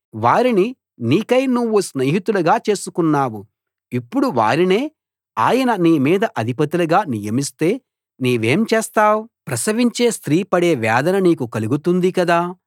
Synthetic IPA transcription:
ʋaːɾini | niːkɐjnuʋːusneːɦit̪ulɐɡaːt͡ʃe̞ːsukunːaːwu | ipːuɽuʋa̰ːɾine̞ː | aːjɐnɐniːmiːd̪ɐʔɐd̪ʱipɐt̪ilɐɡaːnijɐmist̪e̞ː | niːʋe̞ːmt͡ʃeːst̪aːwupɾɐsɐʋiɲt͡ʃe̞ːst̪ɾiːpɐɽe̞ːʋɛːd̪ɐnɐniːkukɐluɡut̪und̪ikɐd̪aː

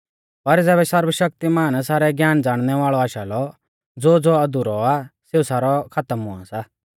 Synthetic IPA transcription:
pɐɾd͡zɛːbɛsɐɾwəʃɐk̚t̪imaːnsaːɾɛɡjaːnd͡zaːɽ̃nɛʋaːɭɔaːʃaːlɔ | d͡zoːd͡zoɐd̪ʊɾɔaseːusaːɾɔkʰat̪əmɦʊã̰saː

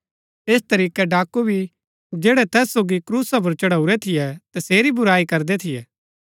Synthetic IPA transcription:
eːst̪ɐɾiːkɛɖaːkubʱi | d͡ʒeːɽɛt̪ɛːsːoːɡikɾuːsap̬ɐɾt͡ʃɐɽauɾɛt̪ʰɪjɛt̪ɐseːɾibʊɾaːikɐɾd̪et̪ʰɪjɛː

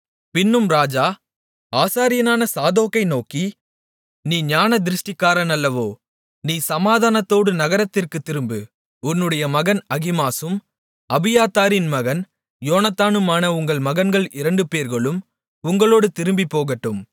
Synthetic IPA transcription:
pɪnːɯmɾaːd͡ʒaː | aːsaːɾɪjɐnaːnɐsaːðoːkɐɪnoːki | niːɲaːnɐd̪ɪɾɯʂʈɪkːaːɾɐnɐlːɐʋoː | niːsɐmaːðaːnɐt̪ːoːɽɯnɐɣɐɾɐt̪ːɪrkɯt̪ːɪɾɯmbɯ | ʊnːɯɽɐjɐmɐɣɐnɐɣɪmaːsɯm | ɐbɪjaːt̪ːaːɾɪnmɐɣɐn | joːnɐt̪ːaːnɯmaːnɐʊŋɡɐɭmɐɣɐnɡɐɭɪɾɐɳɖɯpeːɾɣɐɭɯm | ʊŋɡɐɭoːɽɯt̪ɪɾɯmbipːoːɣɐʈːɯm

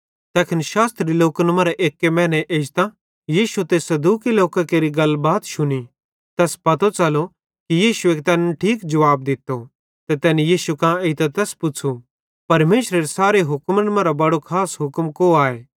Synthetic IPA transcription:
t̪ɛːkʰɪnʃaːst̪ɾiloːkənmãɾaʔeːkːemɛ̃ːnɛʔeːd͡ʒt̪ã | jiːʃut̪eːsɐd̪uːkiloːkakeːɾiɡɐlbaːt̪ʃʊni | t̪ɛːspɐt̪ot͡sɐlo | kijiːʃueːkt̪ɛːnʈʰiːkd͡ʒɐʋaːb̚d̪ɪt̪ːo | t̪ɛt̪ɛːnijiːʃukãːeit̪at̪ɛːspʊt͡ʃʰu | pɐɾmeːʃɾeɾesaːɾeɦʊkmnəmãɾabɐɽokʰaːsɦʊkmkoaːeː

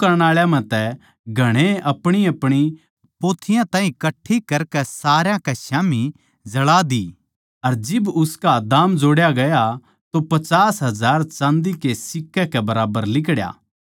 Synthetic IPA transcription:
kɐɾɽ̃aːɭjãmɛ̃t̪ɛ | ɡʱɐɽ̃eʔɐpɽ̃iɐpɽ̃i | poːt̪ʰɪjãt̪ãːɦĩkɐʈʰːikɐɾkɛsaːɾjãkɛʃaːmi | d͡ʒɐɭad̪i | ɐɾd͡ʒɪbʊskad̪aːmd͡ʒoːɽjaɡɐja | t̪opɐt͡ʃaːsɦɐzaːɾt͡ʃãːnd̪ikesɪkːɛkɛbɐɾaːbəɾlɪk̬ɽja̰ː

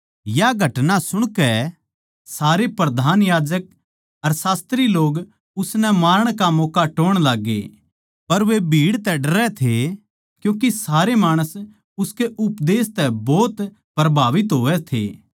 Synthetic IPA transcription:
jaɡʱɐʈnasʊɽ̃kɛ | saːɾepɾɐd̪ʱaːnjaːd͡ʒək̚ | ɐɾsaːst̪ɾiloːɡ | ʊsnɛmaːɾəɽ̃kamɔːkaʈoːɽ̃laːɡːḛ | pɐɾʋebʱiːɽt̪ɛɖɐɾɛt̪ʰe | kjũːk̬isaːɾemaːɽ̃əs | ʊskeʔʊpd̪eːst̪ɛbɔːt̪ | pɾɐbʱaːʋɪt̪ɦoːʋɛt̪ʰḛː

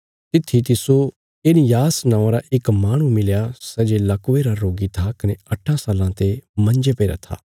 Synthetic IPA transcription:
t̪ɪt̪ʰːit̪ɪso | ɪnijaːsnãːãɾaʔɪkmaːɽ̃ũmɪljasɛd͡ʒelɐkʊʋeɾaɾoːɡit̪ʰakɐneɐʈʰːãsaːlãt̪emɐ̃nd͡ʒepeɾa̰t̪ʰa̰ː

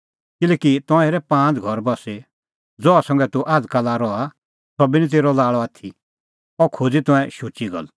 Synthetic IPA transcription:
kɪlɛːkit̪ɔ̃ɛ̃eːɾɛpãːt͡sɡʱɔɾbɔse | d͡zɔasɐ̃ŋɡɛt̪uʔaːd͡zkalaɾɔa | sɔbinit̪̬eːɾɔlaːɭɔaːt̪ʰi | ɔkʰod͡zit̪ɔ̃ɛ̃ʃut͡ʃiɡɔ̰l

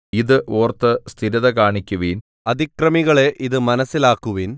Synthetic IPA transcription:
iðɨʔoːrt̪ːɨst̪ʰiɾɐðɐkaːɳikʲːuʋiːn | ɐd̪ikrɐmiɣɐɭe̞ʔiðɨmɐnɐsːilaːkːuʋiːn

